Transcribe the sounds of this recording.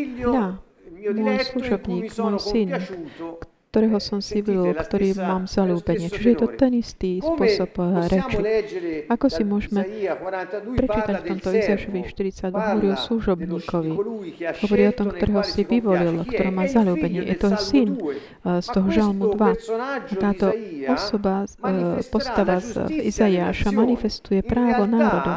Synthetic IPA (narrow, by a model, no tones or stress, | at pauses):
ja | mɔjsluʒɔbɲiːkmɔjsink | t̪ɔɾɛːɦɔsɔmsiʋilkt̪ɔɾiːmaːmz̥aluːbɛɲɪɛt͡ʃiʒɛjɛt̪ɔt̪ɛnist̪iːspʊɔsɔpɾɛt͡ʃit͡ʃakɔsimʊɔʒmɛ | pɾɛt͡ʃiːt̪acft̪ɔmt̪ɔizaaʃɔʋiʃt̪iɾit͡saɟdʋaɦɔʋɔɾiɔsluʒɔbɲiːkɔʋiɦhɔʋɔɾiːɔt̪ɔmkt̪ɔɾɛɦɔsiʋiʋɔlilkt̪ɔɾɔmaːzaluːbɛɲɪɛʔɛ̰t̪ɔɛsin | st̪ɔɦɔʒalmud̪ʋaat̪aːt̪ɔɔsɔba | pɔst̪aʋazizajaːʃamanifɛst̪ujɛpɾaːʋɔnaːɾɔd̪ɔ